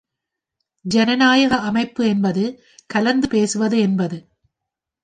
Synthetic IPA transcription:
d͡ʒɛnɐnaːjɐɣɐɐmɐɪpːɯɛnbɐðɯ | kɐlɐnd̪ɯpeːsɯʋɐðɯɛnbɐðɯ

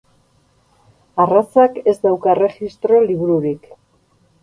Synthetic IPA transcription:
arasake̞zd̪awkare̞xist̪ɾo̞liβuɾuɾik

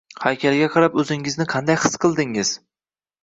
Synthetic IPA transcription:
hajkʲʰalɡʲaqʰɑɾapɵzɪŋɪznɪqʰɑnd̪ajhɨ̥sqɨlˠd̪ɪŋɪz̥

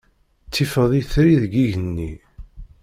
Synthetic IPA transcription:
t͡sːifəðˤiθɾiðɡiʝənːi

